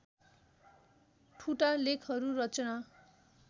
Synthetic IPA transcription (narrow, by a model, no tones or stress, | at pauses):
ʈʰuʈalekʰɦʌɾurʌt͡sʌna